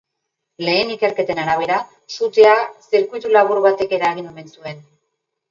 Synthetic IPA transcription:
le̞ːnike̞ɾke̞t̪e̞naɾaβ̞e̞ɾa | sut̪easeɾkuijt̪ulaβuɾβat̪e̞ke̞ɾaɣ̞inome̞nsue̞n

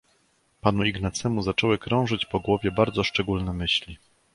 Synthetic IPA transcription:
panuiɡnat̪sɛmuzat͡ʂɔwɘkɾɔ̃w̃ʐɘt͡ɕpɔɡwɔvʲjɛbaɾd̪zɔʂt͡ʂɛɡulnɛmɘɕlʲi

